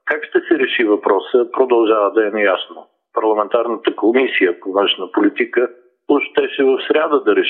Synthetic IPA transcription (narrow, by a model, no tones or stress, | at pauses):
kakʃt̪ɛsɛɾɛʃivɐpɾɔsəpɾod̪ɐlˠʒavəd̪ɐɛnɛjasno | pɐɾlˠɐmɛnt̪aɾnət̪əkomisijəpovə̃nʃnəpolit̪ikə | ʊʃt̪ɛʃɛvɐfsɾʲad̪əd̪ɐɾɛʃ